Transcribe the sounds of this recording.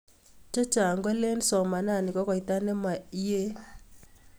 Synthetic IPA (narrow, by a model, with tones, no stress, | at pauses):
te˦t͡ʃa˨ŋɡwa˦le˦nsɔ˨ma˨na˦˨nɪ˨kɔ˦kɔ˨i˨˦t̪a˦nɛ˦ma˨˦je˦